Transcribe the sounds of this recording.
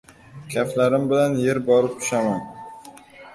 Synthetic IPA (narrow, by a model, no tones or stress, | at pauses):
kʲʰaflaɾɪmbɪlanje̞ɾbɒɾɪp̚t̪ʰʊ̥ʃaman